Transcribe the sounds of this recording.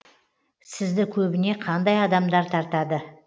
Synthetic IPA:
sɪzd̪ɪkʲʰɵbɪne̞qʰɑnd̪ɑjɑd̪ɑmd̪ɑɾt̪ʰɑɾt̪ɑd̪ə

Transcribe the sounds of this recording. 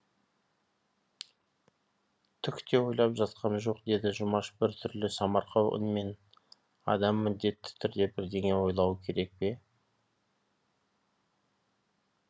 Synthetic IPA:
t̪ʰʏkʲt̪ʰe̞wo̞jlˠɑpʒɑt̪qʰɑnʒo̞qd̪e̞d̪ɪʒʊmɑʃbɪɾt̪ʰʏɾlɪsɑmɑɾqɑwʊ̰nme̞n | ɑ̰d̪ɑmːɪnd̪e̞t̪ːɪ̥t̪ʰʏɾd̪e̞bɪɾd̪e̞ŋe̞wo̞jlˠɑwəkʲʰe̞ɾe̞k̚pe̞

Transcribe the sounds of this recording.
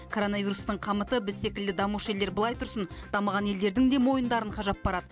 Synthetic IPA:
kʰo̞ɾo̞nɑvʲiɾust̪əɴqʰɑmət̪əbɪzse̞kʲɪld̪ɪd̪ɑmuʃe̞ld̪e̞ɾbəlˠɑjt̪ʰʊɾsənd̪̥ɑməʁɑne̞ld̪e̞ɾd̪ɪŋd̪emo̞jənd̪ɑɾəɴqʰɑʒɑp̚bɑɾɑd̪ə

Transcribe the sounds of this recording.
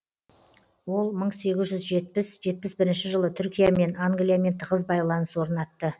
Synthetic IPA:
wo̞lˠməɴse̞ɡʲɪzʒʏzʒe̞t̪̚pɪsʒe̞t̪̚pɪsbɪɾɪnʃɪʒəlˠət̪ʰʏɾkʲijame̞naŋɡlijame̞nt̪ʰqəzbɑjlˠɑnəswo̞ɾnɑt̪ːə

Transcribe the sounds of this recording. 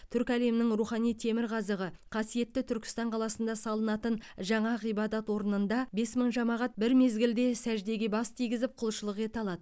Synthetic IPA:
t̪ʰʏɾkʲæle̞mnɪŋruχɑnijt̪ʰe̞mɪɾʁɑzəʁəqʰɑsije̞t̪ːɪt̪ʰʏɾkʲɪ̥st̪ɑɴqʰɑlˠɑsənd̪ɑsɑlˠənɑt̪ənʒɑɴɑʁijbɑd̪ɑt̪wo̞ɾənənd̪ɑbe̞sməɴʒɑmɑʁɑt̪̚bɪɾme̞zɡʲɪld̪e̞sæʒd̪e̞ɡʲebɑst̪ʰijɡʲɪzɪp̚qʰʊlˠʃəlˠəqe̞t̪ɑlˠɑd̪ə

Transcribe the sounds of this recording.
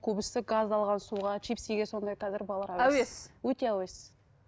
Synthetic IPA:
kʲʰɵbɪst̪ɪɡɑzd̪ɑlˠʁɑnsuʁɑtʰipseɡʲeso̞nd̪ɑjqʰɑzɪɾbɑlˠɑɾæwæweswɵt̪e̞æwe̞sɪ

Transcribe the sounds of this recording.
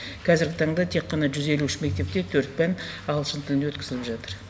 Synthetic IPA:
kʰɑzɪɾɡʲɪt̪ʰɑɴd̪ɑt̪ʰe̞qʰːɑnɑʒʏze̞luɪʃɪme̞k̚t̪e̞p̚t̪e̞t̪ʰɵɾt̪̚pæn | ɑlˠʃənt̪ʰɪlɪnewɵt̪kʲɪzɪlɪpʒɑt̪əɾ

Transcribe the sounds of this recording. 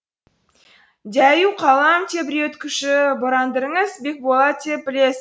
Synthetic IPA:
d̪ʲæjuqʰɑlˠɑmt̪ʰʲebɪɾeet̪kʲʰʏʃɪboɾɑnd̪əɾəɴəzbek̚bolˠɑt̪ʰʲːebɪles

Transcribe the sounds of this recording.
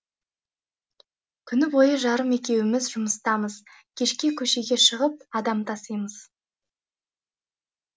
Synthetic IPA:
kʲʰʏnɪbo̞jəʒɑɾəme̞kʲe̞wɪmɪzʒʊməst̪ɑməz̥kʲʰe̞ʃkʲe̞kʲʰɵʃe̞ɡʲe̞ʃəʁəp̚ɑd̪ɑmt̪ʰɑsəjməz̥

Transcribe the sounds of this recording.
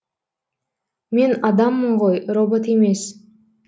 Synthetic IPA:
me̞nɑd̪ɑmːəɴʁojrobot̪eme̞s

